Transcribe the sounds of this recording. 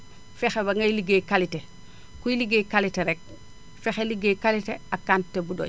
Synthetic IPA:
fexeβaŋɡajliɡekalite | kuiliɡekaliteɾek̚ | fexeliɡekaliteakːantːebudo̰

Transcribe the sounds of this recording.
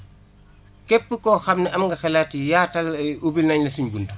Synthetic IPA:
kɛpːəkɔxɐmnɛɐmŋɡɐxɛlatijaːtɐlubilnɐɲlɐsiɲbundu

